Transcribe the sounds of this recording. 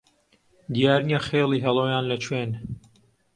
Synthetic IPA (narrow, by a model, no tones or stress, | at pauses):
d̪ijaːɾnjaχeːliːɦɛlˠoːjaːnlɐt͡ʃʰweːn